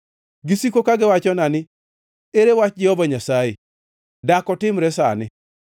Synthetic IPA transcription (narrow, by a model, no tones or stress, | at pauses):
ɡisikokaɡɪwat͡ʃɔnanɪ | eɾewat͡ʃd͡ʒɛhɔbaɲasaje | dakɔtɪmɾɛsa̰nɪ